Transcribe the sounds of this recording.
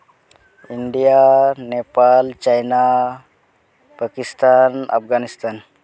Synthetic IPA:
iɳɖijanepalt͡ɕajna | pakist̪ana̰pɡanist̪an

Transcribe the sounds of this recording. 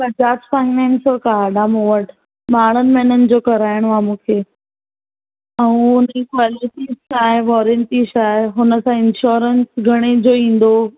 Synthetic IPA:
pɐd͡ʑaːbfaːɪnɛ̃ːnskaːɖãmũʋəʈʰ | maːɳ̤ʊnɪ̆mẽɪnənɪ̆d͡ʑoːkɐɾaːɪəɽ̃ʋãːmũːkʰeː | ɛ̃ũʊnəikʋaːlɪʈizt͡ɕaːɦeʋɔːɾənʈisaːɦeɦʊnə̆sãɪ̃nʃɔːɾənsɡʱɐɽ̃ed͡ʑoːĩːn̆d̪o

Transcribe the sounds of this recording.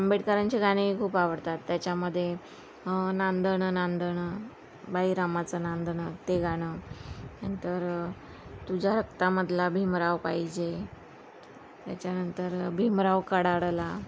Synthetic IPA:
əmbeʈkəɾaɲt͡ɕiɡʱaɽ̃ikʰuːpaʋəɽt̪at̪ːjat͡ɕaməd̪ʱːje | nand̪əɳənand̪əɳə | baiɾamat͡sənand̪ənət̪eɡʱaɽ̃ənənt̪əɾ | t̪ud͡ʑʱaɾəkt̪aməd̪ʱlabʱimɾaʋpaɦid͡ʑe | t̪ja̰t͡ɕjanənt̪əɾbʱimɾaʋkəɽaɽla

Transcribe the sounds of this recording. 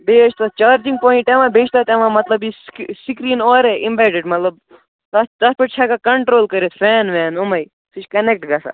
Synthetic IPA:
beːt͡ʃʰt̪at͡ʃaːɾd͡ʒĩŋɡpoːiɳʈemãbeːt͡ʃʰt̪at̪emãmɐt̪lɐbisksikɾiːnɔːɾeʔimbɛʈiɖmɐt̪ləb | t̪ɐt̪ɐspeʈ̚t͡ʃʰakakɐɳʈɾoːlkɐɾet̪fɛːnʋɛːnumɐj | sʰit͡ʃʰkɐnek̚ʈɡɐsa̰

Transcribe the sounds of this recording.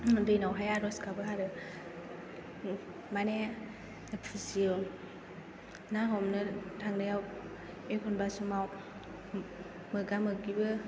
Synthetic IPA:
dɯjnawɦajaɾɔskʰabɯɦaɾɯ | mane | ɔpʰisiɯ | naɦɔmnɯtʰaŋnɯjaw | ekʰɔnbasumaw | mɯɡamɯɡibɯ

